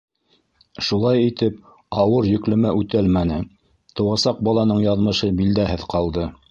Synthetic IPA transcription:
ʃulˠɑjit̪ɘp̚ | ɑwɤɾjɵ̆klɵ̆mæʔʉt̪ælmænɘ | t̪ŏwɑsɑq̚bɑlˠɑnɤɴjɑðmɤ̆ʃɤbild̪æɦɘðqɑlˠd̪ɤ

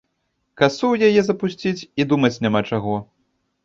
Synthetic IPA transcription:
kasuwjajɛzɐpusʲt͡sʲit͡sʲid̪umɐt͡sʲnʲamat͡ʂaɣɔ

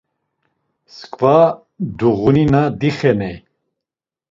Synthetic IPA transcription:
skʼva | d̪uʁuninad̪iχɛnɛj

